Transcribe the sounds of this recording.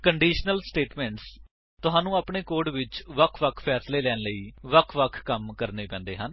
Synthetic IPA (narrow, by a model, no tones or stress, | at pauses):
kəɳɖiːʃnəlsʈeːʈmɛ̃ːɳʈs | t̪ʊɦãːnũːaːpɳeːkoːɾɖʋɪt͡ʃʋəkʰʋəkʰpʰɛːsleːlɛːnləiːʋəkʰʋəkʰkəmkəɾneːpɛ̃ːnd̪ḛːɦən